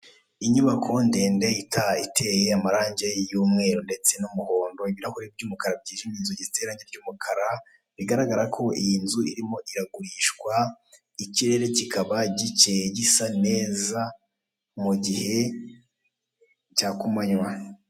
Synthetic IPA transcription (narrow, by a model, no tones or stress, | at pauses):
iɲuβakʰo̞nde̞ːnde̞itʰaitʰe̞jeamaɾaːɲɟejuːmŋe̞ːɾonde̞t͡se̞numuho̞ːndo̞iβiɾahoɾib̚ɟuːmukaɾab̚ɟiːʒimiːnzuɟiteɾaɲɟebɟuːmukʰaɾa | βiɡaɾaɡaɾakʰo̞ijinzuiɾimo̞ʔiɾaɡuɾiːʃkwa | iciɾe̞ɾe̞cikaβaɟiceɟisane̞ːza | muɟihe̞ | caːkumaɲwa